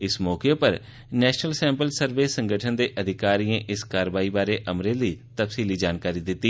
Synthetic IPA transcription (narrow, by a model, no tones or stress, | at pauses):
ɪsmɔːkepəɾ | nɛːʃnəlsɛ̃ːmpəlsəɾʋeːsə̃ŋɡʱəʈʰənd̪eːʔəd̪ʱɪkaːɾiːẽːʔɪskaːɾəʋaːiːbaːɾeːʔəmɾeːliːt̪əpsiːliːd͡ʒaːnkaːɾiːd̪ɪt̪ːiː